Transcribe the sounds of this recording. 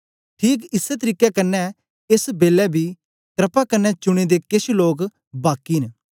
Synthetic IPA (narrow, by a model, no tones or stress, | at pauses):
ʈʰiːk̬ɪsɛt̪̬əɾiːkːɛkɐnːɛ̃ | esbeːlɛbʱiː | t̪ɾəpakɐnːɛt͡ʃʊɽ̃ed̪ekɪʃloːk | baːkːiːn